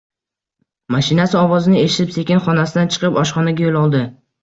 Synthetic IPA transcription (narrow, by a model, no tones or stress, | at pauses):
maʃɪnasɪɒvɒzɪnɪe̞ʃɪ̥t̪ɪpse̞kʲɪnχɒnasɪd̪ant͡ʃʰɨ̥qɨpɒʃχɒnaɡʲajolˠɒlˠd̪ɪ